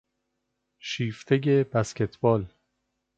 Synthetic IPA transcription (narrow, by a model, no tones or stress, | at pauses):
ʃiːft̪ʰeje̞bæscʲe̞t̪ʰbɒːl